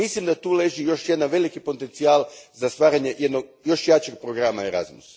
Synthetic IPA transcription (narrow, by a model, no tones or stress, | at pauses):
mislimd̪at̪uːle̞ʒijo̞ʃje̞d̪anʋe̞likipo̞t̪ent̪siaːlˠzast̪ʋaːɾaɲejed̪noɡjoʃjaːt͡ʃeɡ̚pɾoɡɾamaeɾa̰zmus